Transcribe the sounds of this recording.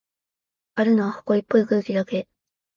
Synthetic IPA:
aɾɯ̟noβaho̥ko̞ipːoikɯ̟ɯkʲid̪ake̞

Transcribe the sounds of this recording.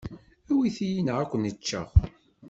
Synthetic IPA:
æwiθijinəʁækʷːənət͡ʃːə̰ʁ

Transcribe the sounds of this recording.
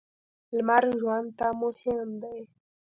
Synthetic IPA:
lmaɾʒwand̪t̪amʊhɪmd̪aj

